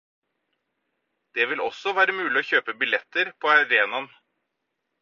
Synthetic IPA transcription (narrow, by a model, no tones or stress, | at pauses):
d̪̥ɛʋɪlɔ̰sɔʋæːɾəmʉːlɪoːçøːpəbɪlɛt̪ːəɾpʰɔɑɾeːnɑn